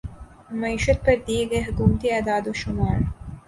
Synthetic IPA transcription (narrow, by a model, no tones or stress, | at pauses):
mɐiːʃət̪̚pɐɾd̪iːeɡɐeɦʊkuːmt̪iaːd̪aːd̪oːʃʊmaːl